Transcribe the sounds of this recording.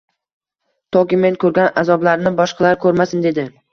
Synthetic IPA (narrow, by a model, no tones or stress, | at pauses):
t̪ʰɒkʲɪme̞nkʰɵɾɡʲanazɒblaɾnɪbɒʃqʰɑlaɾkʰɵɾmasɪnd̪e̞d̪ɪ